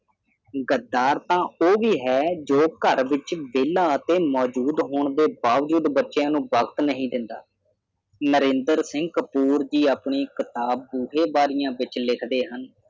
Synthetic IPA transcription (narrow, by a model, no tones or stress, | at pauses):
ɡəd̪aːɾt̪ãːoːʋiːɦɛːd͡ʒoːkəɾʋɪt͡ʃʋeːlaːət̪eːmɔːd͡ʒuːd̪ɦoːɳd̪eːbaːʋd͡ʒuːd̪bətːʃjãːnũːbəkt̪nəɦĩːd̪ɪnd̪a̰ː | nəɾẽːnd̪əɾsɪ̃ŋɡ̚kəpuːɾd͡ʒiːaːpɳiːkɪt̪aːb̚ːuːɦeːbaːɾɪjãːʋɪt͡ʃlɪkʰd̪eːɦən